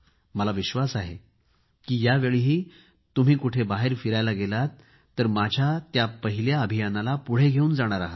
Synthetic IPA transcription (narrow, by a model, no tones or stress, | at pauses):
məlaʋiɕʋasaɦe | kiːjaʋeɭiɦiː | t̪um̤iːkuʈʰebaɦeɾfiɾajlaɡelat̪ː | əɾmad͡ʑʱjat̪japəɦiljaəbʱijanalapuɽ̤eɡʱeuːnd͡zaɽ̃aɾaɦat̪